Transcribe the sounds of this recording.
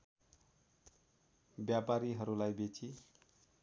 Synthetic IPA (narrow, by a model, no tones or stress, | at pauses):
bjapaɾiɦʌɾulajbet͡si